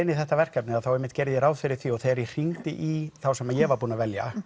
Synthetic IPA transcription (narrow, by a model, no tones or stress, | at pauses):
ɪnːɪθɛht̪ːavɛr̥kapnɪaðθawɛmːɪht̪cɛɾðɪɾaːwðfɪɾɪɾ̥θiɔɣθeɛɾir̥iŋt̪ɪʔiθawsɛmajɛvaɾpuːnavɛlja̰